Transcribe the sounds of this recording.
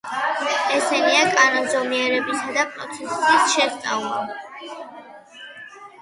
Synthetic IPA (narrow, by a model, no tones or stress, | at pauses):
ɛsɛniakʼanɔmzɔmiɛɾɛbisad̪apʼɾɔ̰t̪sʰɛsisʃɛst̪sʼa̰vlˠa